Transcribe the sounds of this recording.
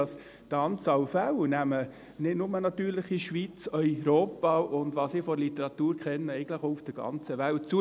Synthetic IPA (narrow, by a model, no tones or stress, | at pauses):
ɑs | d̥əɑnt͡sɑwfæwnæmə | nɪdnʊmənɑt̪yːɾlɪχiʃʋit͡sœʏɾoːpɑʊnd̪ʋɑːsɪfɔlitəɾɑt̪uːɾkʰχɛnːəɛɪɡən̩dləχɔufd̥əɡ̥ɑ̰nt͡səʋælt̚t͡su